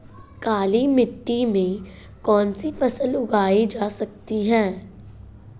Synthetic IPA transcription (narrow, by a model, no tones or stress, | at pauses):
kaːlimɪʈːimẽ | kɔːnsifɐsə̃lʊɡaːid͡ʒaːsɐk̚t̪iɦɛ̃ː